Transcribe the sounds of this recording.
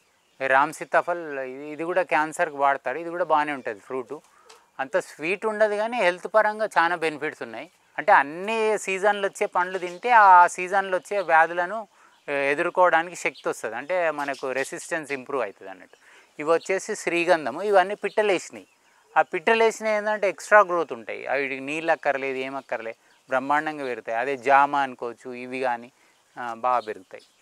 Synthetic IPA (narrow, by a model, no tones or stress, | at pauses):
ɾaːmsit̪ːɐpʰɐlːd̪iɡuːɽaːkaːnsɐɾkuʋaːɽɐt̪aːɾuid̪iɡuːɽaːbaːniuɳʈɐd̪ipʰɾuːʈu | ɐnt̪ɐsʋiːʈuɳɖɐd̪iɡaːneːɦelt̪upɐɾɐŋɡaːt͡ʃaːnaːbe̞nipʰiʈsunːaːji | ɐɳʈe̞ːɐnːisiːd͡ʒɐnlɐot͡ʃːe̞ːpɐɳlud̪iɳʈeːasiːd͡ʒɐnlot͡ʃːe̞ːʋjaːd̪ɐlɐnu | e̞d̪uɾukɔːʋɐɽaːnikiʃe̞k̚t̪ɔst̪ɐd̪iɐɳʈe̞ːmɐnɐkuɾe̞sisʈensimpɾuːʋɐjt̪ɐd̪ɐ̰nːɐ̰ʈːu̥ | iʋɐt͡ʃːe̞ːsiʃɾiːɡɐnd̪ʱɐmuiʋɐnːipiʈːɐleːʂnḭ | aːpiʈːɐleːʂneːnd̪ɐɳʈeːksʈɾaːɡɾoːt̪uɳʈa̰ːjḭɐ̰iɽikniːllɐkːɐɾɐle̞ːd̪ue̞ːmɐkːɐɾɐleː | bɾɐmːaːɳːɐŋɡaːʋeɾut̪aːjiɐd̪e̞ːd͡ʒaːmaːɐnikoːɐt͡ʃːuiʋiɡaːni | baːɡɐpeɾuɡut̪a̰ːji